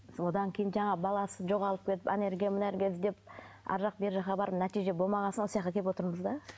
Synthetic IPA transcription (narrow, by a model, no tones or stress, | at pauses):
wo̞d̪ɑŋkʲʰejɪnʒɑɴɑbɑlˠɑsəʒo̞ʁɑlˠəp̚kʲʰe̞t̪ɪ̥pene̞ɾɡʲijamʊnæɾɡʲeɪzd̪e̞p̚ | ɑ̰ɾʒɑq̚be̞ɾʒɑɑbɑɾəp̚næt̪ijʒe̞bolˠmɑʁɑnsənosjɑqt̪ɑkʰʲet̪pwot̪əɾməzd̪ɑ